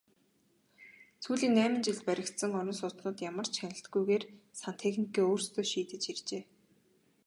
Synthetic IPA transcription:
t͡sʰuːɮiːŋnæːmɘ̆nt͡ɕiɮt̪̚pæɾʲɪ̆kt̪sə̆ŋɔɾʲɪ̆nsʊt̪nʊːt̪jamə̆r̥t͡ɕxanʲɪ̆ɬt̪ɡujɣeːrsan̥t̪ʰexnikiːoːrst̪ʰoːʃiːt̪ɘ̆t͡ɕirt͡ɕeː

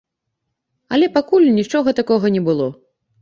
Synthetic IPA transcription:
ɐlʲɛpakulʲnʲit͡ʂɔɣɐt̪akɔɣɐnʲɛbɨlˠɔ

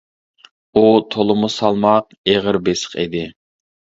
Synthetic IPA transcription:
ut̪ʰolˠʊmusɑlˠmɑq̚ | eʁəɾbesə̥qḭd̪ɪ

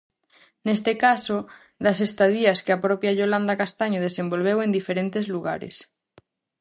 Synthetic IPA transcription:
nest̪ekaso | ðasest̪aðiaskeapɾopjaʎoland̪akast̪aɲoðesẽmbo̞lβ̞ewe̞nd̪ifeɾent̪ezluɣa̰ɾḛs

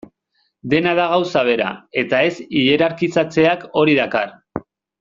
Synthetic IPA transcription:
d̪e̞naðaɣ̞awsaβ̞e̞ɾa̰e̞t̪ae̞siʎe̞ɾaɾkit͡sat͡se̞ako̞ɾiðakar

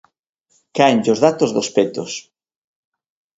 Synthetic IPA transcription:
kaenʎozðat̪ozðospet̪os

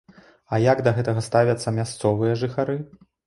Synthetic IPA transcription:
ɐjaɡd̪ɐɣɛt̪ɐɣɐst̪avʲɐt̪sːɐmʲast̪sɔvɨjɐʐɨxaɾɨ

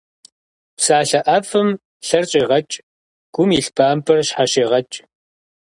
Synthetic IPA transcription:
psaːɬɐʔɐfɨm | ɬɐrɕʼeːʁɐt͡ʃʼ | ɡ̥ʷʊmiɬbaːmpʰɐrɕħaʃeːʁɐt͡ʃʼ

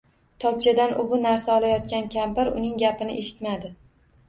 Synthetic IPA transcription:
t̪ʰɒkʲt͡ʃʰad̪anʔʊbʊnaɾsaɒlˠajɒt̪̚kʲankʲambɪɾʊ̰nɪŋɡʲapɪnɪʔe̞ʃɪ̥t̪mad̪ɪ

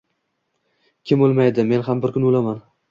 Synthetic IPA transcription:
kʲʰɪmolˠmajd̪ɪme̞nɦambɪɾkʰʲʊnolaman

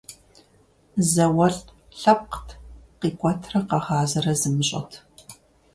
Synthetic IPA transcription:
zɐwɐɬʼ | ɬɐp̚qtʰqiːkʷʼtʰrɐqɐʁaːzɐrɐzɨmɨɕʼɐ̰tʰ

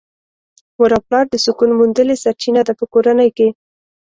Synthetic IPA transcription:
waɾɑplɑɾd̪əsʊkunmund̪əlesaɾt͡ʃinad̪apəkoɾanəjke

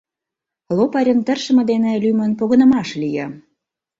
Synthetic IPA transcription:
lopɑɾʲə̆nt̪ərʃə̆mə̆d̪enelymə̆npoɣə̆nə̆mɑʃlijə

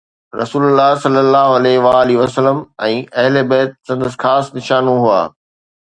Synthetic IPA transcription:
ɾʔɐ̰suːlʊlːaːɦsɐlːəlːaːɦoɐleʋaːliʋɐsəlːəmɛ̃ːɐɦɪlebɐːt̪̚sɐ̃nd̪əs̬xaːsnɪʃaːnõɦʊa̰ː

